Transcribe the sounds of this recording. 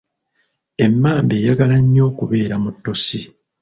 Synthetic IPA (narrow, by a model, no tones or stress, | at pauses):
e̞mːaːmbejaɡalaɲːo̞ːkuβe̞ːɾamutːo̞si